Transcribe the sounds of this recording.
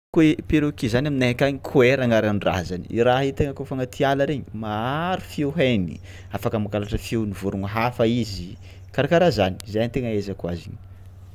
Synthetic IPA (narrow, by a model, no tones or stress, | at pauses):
kepeɾukizanaminaɦakaɲikʰueɾaŋaɾanɖ͡ʐa̰zaniiɾaɦit̪eŋəkofaŋat̪ʰialaɾeɲimaaɾufewɦajni | afakəmakalaʈ͡ʂəfewnivuɾuŋaɦafaizi | kaɾakaɾazani̥zajant̪eŋəezakuaziɲi